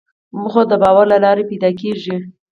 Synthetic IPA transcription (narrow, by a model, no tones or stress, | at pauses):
muxod̪əbɑwaɾlalɑɾepajd̪ɑk̬eʒi